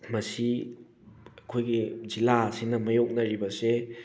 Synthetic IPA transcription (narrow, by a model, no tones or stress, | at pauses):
mɐsi | ɐkʰojɡid͡ʒilasinɐmɐjok̚nɐɾibɐse